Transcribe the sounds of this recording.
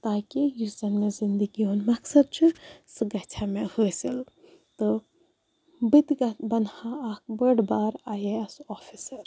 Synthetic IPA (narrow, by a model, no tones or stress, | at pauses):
t̪aːkijuzɐnmezind̪əɡioːnmɐksɐd̪̚t͡ʃʰɨsɨɡɐt͡ʃʰamehoːsil | t̪o | bit̪ɡɐbɐnhaaːk̚bəɽbaːɾaːjeɐsɔːfisɐɾ